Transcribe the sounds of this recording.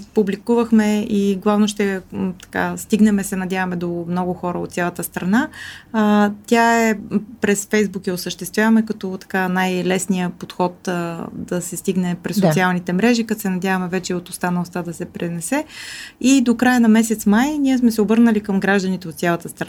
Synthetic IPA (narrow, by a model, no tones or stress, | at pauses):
publikuvəxmɛiɡlˠavnoʃt̪ɛt̪ɐ̥ka̰st̪iɡnɛmɛsɛnɐd̪ʲavɐmɛd̪omnɔɡʊxɔɾəo̰t̪sʲalˠət̪əst̪ɾɐna | t̪ʲjaɛpɾɛsfɛjzbukjɐosəʃt̪ɛst̪vʲjavəmɛkɐt̪ɔt̪ɐ̥kanajlɛsnijəpot̪xɔt̪əd̪ɐsɛst̪iɡnɛpɾɛsosialˠnit̪ɛmɾɛʒikat̪sɛnɐd̪ʲjavəmɛvɛt͡ʃɛiot̪ost̪anəlˠst̪ad̪ɐsɛpɾɛnɛsɛid̪okɾajənɐmɛs̬ɛt̪smajniɛsmɛsɛobɤɾnəlikəmɡɾaʒd̪ənit̪ɛot̪sjalˠət̪əst̪ɾ